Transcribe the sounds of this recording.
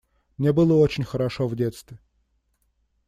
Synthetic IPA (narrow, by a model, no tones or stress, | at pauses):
mnʲebɨlˠəot͡ɕɪnʲxəɾɐʂovdʲet̪st̪vʲɪ